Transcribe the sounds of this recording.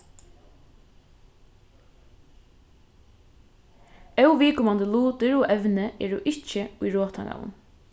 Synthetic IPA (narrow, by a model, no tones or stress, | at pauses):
ɛwʋiːkʊmand̪əluːt̪ɪɹɔʔɛʋnəɛ̰ːɹʊʔɪt͡ʃəʊjɹoːt̪ʰa̰ŋa̰ʋʊ̰n